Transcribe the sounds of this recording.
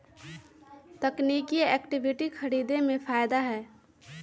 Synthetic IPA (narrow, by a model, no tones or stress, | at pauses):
t̪əknikiɛːkʈibʱiʈikʰəɾiːd̪emẽpʰaːjd̪aɦɛː